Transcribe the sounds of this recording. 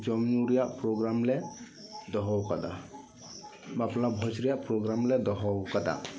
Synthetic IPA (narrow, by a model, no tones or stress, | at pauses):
d͡ʒɔmnuɾijaʔpɾɔɡɾamlɛ | d̪ɔɦɔwkad̪a̰ | baplabʱɔsɾijaʔpɾɔɡɾamlɛd̪ɔɦɔwkad̪a̰